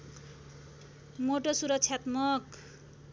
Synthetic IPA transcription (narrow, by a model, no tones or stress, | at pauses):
moʈosuɾʌksʰjat̪mʌk